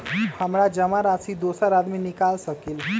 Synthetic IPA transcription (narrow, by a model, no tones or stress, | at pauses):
hɐmɾad͡ʒɐmaɾaːsid̪oːsəɾaːd̪minɪkaːlsəkil